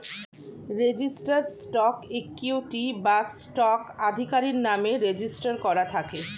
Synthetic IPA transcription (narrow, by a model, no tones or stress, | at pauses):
ɾed͡ʑisʈaɾsʈɔkekːuʈibasʈɔkad̪ʱikaɾiɾnameɾed͡ʑisʈaɾkɔɾat̪ʰake